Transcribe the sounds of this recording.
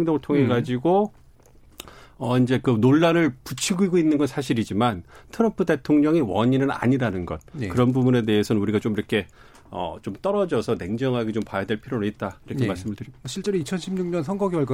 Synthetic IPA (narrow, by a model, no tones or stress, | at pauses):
ŋdoŋɯɭtʰoŋe̞ɡad͡ʑiɡo | ʌind͡ʑe̞kɯnoɭːaɾɯɭput͡ɕʰiɡoiɡoinːɯnɡʌnsʰaɕ̬ʰiɾid͡ʑimantʰɯɾʌmpʰuɯde̞tʰoŋɲʌŋiwʌɲinɯna̰ɲiɾanɯnɡʌt̚kɯɾʌnbubune̞de̞esʰʌnɯnuɾiɡat͡ɕomiɾʌkʰe̞ | ʌ̰t͡ɕomt͈ʌɾʌd͡ʑʌsʰʌne̞ŋd͡ʑʌŋɦaɡe̞t͡ɕompajadwe̞ɭpʰiɾjonɯit̚t͈aiɾʌkkʰemaɭs͈ɯmɯɭtɯɾiɕʰiɭt͡ɕ͈eɾoit͡ɕʰʌnɕʰimɲuŋɲʌns̬ʰʌŋɡʌɡiʌɭɡ